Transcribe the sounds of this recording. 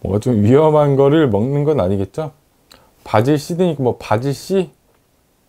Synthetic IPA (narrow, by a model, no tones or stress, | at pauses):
mwʌ̰ŋɡat͡ɕomɥiɦʌmɦanɡʌɾɯɭmʌŋnɯnɡʌnaɲiɡe̞t̚t͡ɕ͈o | pad͡ʑiɭɕ͈idɯɲik͈amwʌpad͡ʑiɭɕ͈i